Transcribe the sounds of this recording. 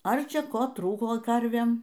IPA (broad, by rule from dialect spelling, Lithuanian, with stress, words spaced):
ˈɐr ˈt͡ʃʲɛ ˈkoː ˈtruːkoː ˈkɐrʲʋʲeːm